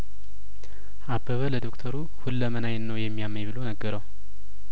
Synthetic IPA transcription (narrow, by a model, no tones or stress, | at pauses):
ʔabːəβələd̪o̞kt̪ʰəɾu | hulːəmənajnnːəwjɛmːijamːəjβɨlo̞nəɡːəɾəw